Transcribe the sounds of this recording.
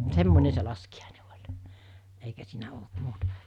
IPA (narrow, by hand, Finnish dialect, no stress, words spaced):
semːone se lɑskiɑˑine olʲ eikæ siːnæ olt muːtɑ̥